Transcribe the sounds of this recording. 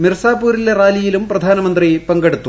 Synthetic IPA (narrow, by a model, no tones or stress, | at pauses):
mirsaːpːuːɾileraːlijilumprɐd̪ʱaːnɐmɐnd̪ripɐŋɡɐɽut̪ːu